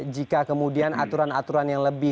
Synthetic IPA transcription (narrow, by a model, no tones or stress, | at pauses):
d͡ʒikakəmudiana̰t̪uɾanat̪uɾanjaŋləbɪ